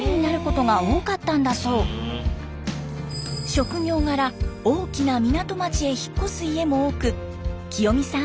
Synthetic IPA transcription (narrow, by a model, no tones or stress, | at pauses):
ɲ̟inaɾɯ̟ko̞t̪o̞ɡao̞ːkat̪ːãnd̪aso̞ː | ɕo̞kɯ̟ɲo̞ːŋaɾao̞ːkʲinamʲinat̪o̞mat͡ɕie̞çi̥kːo̞sɨie̞mo̞oːkɯ̟ | kʲijo̞mʲisã